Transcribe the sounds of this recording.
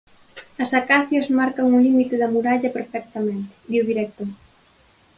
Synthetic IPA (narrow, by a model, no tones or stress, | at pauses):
ɐsakaθjozmaɾkɐŋulimit̪ɪðɐmuɾaʎɐpeɾfɛk̚t̪amẽnt̪ɪ̥d̪iuðiɾɛk̚t̪o